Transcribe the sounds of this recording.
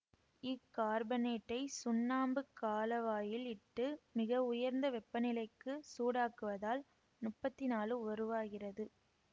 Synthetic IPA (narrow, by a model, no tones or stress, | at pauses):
ɪkːaːɾbɐneːʈːɐɪsʊnːaːmbɯkːaːlɐʋaːjɪlɪʈːɯmɪɣɐʊjɐɾnd̪ɐʋɛpːɐnɪlɐɪkːɯsuːɽaːkɯʋɐðaːl | nʊʈpːɐt̪ːɪnaːlɯʋɐɾɯʋaːɣɪrɐðɯ